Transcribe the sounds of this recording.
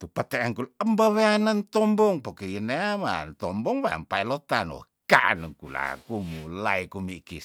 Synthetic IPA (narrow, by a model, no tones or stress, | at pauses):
t̪upət̪eaŋkuləmbaweanant̪ɔmbɔŋpokejəneama̰nt̪ɔmbɔŋwaa̰mpailot̪ano̰ | kaʔnəŋkula̰kumulaikumikis